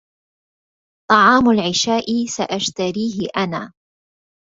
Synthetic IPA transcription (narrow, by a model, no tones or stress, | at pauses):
t̪ˤɑʕɑːmʊlʕɪʃaːʔɪsaʔaʃt̪aɾiːɦɪʔanaː